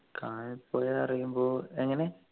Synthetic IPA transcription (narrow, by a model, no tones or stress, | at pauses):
kʰaːɳipːoːjeɐrijumboːeŋːɐne